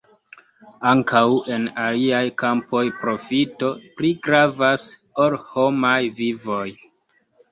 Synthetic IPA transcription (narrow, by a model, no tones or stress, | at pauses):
aŋkawʔe̞naliajkampo̞jpɾo̞fito̞pliɡɾavas | olho̞majvivo̞j